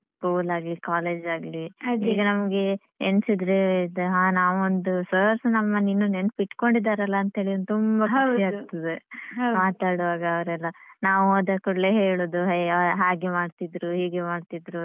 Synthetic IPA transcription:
kuːlaːɡlikaːle̞ːd͡ʒaːɡlid͡ʒiːɡɐnɐmɐɡe̞ | ensid̪ɾed̪eɦaːnaːʋond̪usɐɾsnɐmːɐninːunenpiʈːko̞ɳɖid̪aːɾɐlːɐːnt̪ɦeːɭiond̪t̪umbɐkɐiaːɡt̪ɐd̪eɦɐmaːt̪aːɽuʋaːɡɐːʋɾɛlːɐnaːʋuoːd̪akuɽleɦeːɭoːd̪uɦɦaːɡemaːɖt̪id̪ɾuɦiːɡemaːɖt̪id̪ɾu

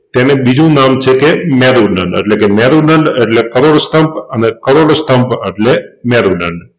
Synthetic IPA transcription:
t̪enebid͡ʒʱũnamt͡ʃʰekemeɾuɖə̰ɳɖḛʈlekemɛɾuɖəɳɖeʈlekəɾoɽst̪əmpənekəɾoɽst̪əmpəʈlemɛɾuɖə̰ɳɖ

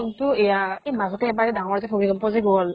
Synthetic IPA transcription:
ŋtʊɛjaejmazɔtɛɛbaɛdaŋɔɹzɛpʰobiɡɔmpɔziɡɔl

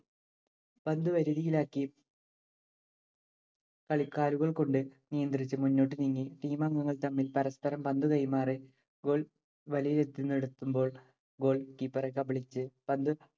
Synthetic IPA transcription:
pɐnd̪uʋɐɾuðijilaːkːi | kɐɭikːaːluɣɐɭko̞ɳɖɨnijɐnd̪rit͡ɕːɨmunːo̞ːʈ̬ːɨniŋːiʈiːmaŋɡɐŋːɐɭt̪ɐmːilpɐɾɐspɐɾɐmpɐnd̪ukɐjmaːre | ɡo̞ːɭ | ʋɐlijɐled̪ʱjinːeɽut̪ːumbo̞ːɭ | ɡo̞ːɭkipːɐrekːɐbɐɭit͡ɕːɨpɐnd̪u

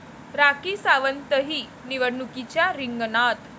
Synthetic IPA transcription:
ɾakisaʋənt̪əɦiː | niʋəɽnukit͡ɕjaɾiŋɡnat̪

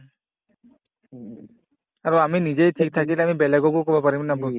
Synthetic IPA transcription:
aɾoaminid͡ʑejtʰik̚t̪ʰakilamibɛlɛɡɔkukɔbɔpaɾimnabo

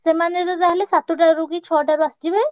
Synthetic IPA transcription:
semanet̪ɔt̪aɦlesat̪uʈaɾukit͡ʃʰɔʈaɾuasd͡ʒibe

